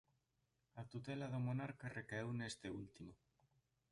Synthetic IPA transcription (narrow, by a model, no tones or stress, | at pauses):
at̪ut̪elaðomonaɾkarekaewnest̪eult̪imo